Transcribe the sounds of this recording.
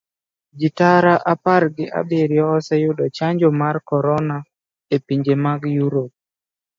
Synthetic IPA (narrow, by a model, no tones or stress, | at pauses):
d͡ʒitaɾaʔaparɡɪʔa̰beɾjɔːsɛjʊdɔt͡ʃaɲd͡ʒomarkɔɾɔna | epiɲd͡ʒemaɡjuɾop̚